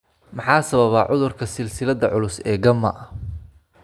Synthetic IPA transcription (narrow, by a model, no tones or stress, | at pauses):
mɑħɑːsɐβɐβɐʕʊðʊrkʰɐsɪlsɪlɐðɐʕʊlʊsɛːɡɐmɐ̰ʔɐ